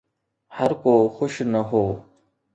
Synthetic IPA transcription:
hɐɾkoːxʊʃnɐɦoː

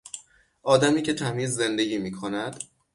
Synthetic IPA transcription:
ʔɒːd̪æmiːcʰe̞t̪ʰæmiːzːe̞nd̪e̞ɟʲiːmiːkʰo̞næd̪̥

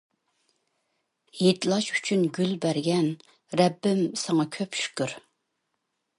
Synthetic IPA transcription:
jet̪lˠɑʃy̥t͡ʃʰynɡʲylbæɾɡʲɛn | ɾɛbːɪmsɑŋɑkʲʰøpʃy̥kʲʰyɾ

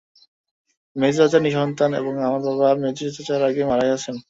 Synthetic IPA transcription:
med͡ʑɾad͡ʑaɾniʃɔnt̪anḛboŋamaɾbaβamed͡ʑiɾat̪ad͡ʑaɾaɡemaɾajat͡ɕʰen

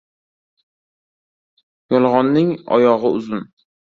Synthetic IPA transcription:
jɒlˠʁɒnːɪŋɒ̰jɒʁɨʊzʊn

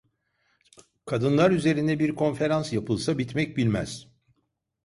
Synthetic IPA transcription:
kʰad̪ɯnlˠaɾyze̞ɾind̪ɛbiɾkʰo̞nfe̞ɾansjapʰɯlˠsabit̪mɛc̚bilʲmæ̰z̥

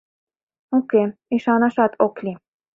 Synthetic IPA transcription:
okeiʃɑnɑʃɑt̪ʰoklʲi

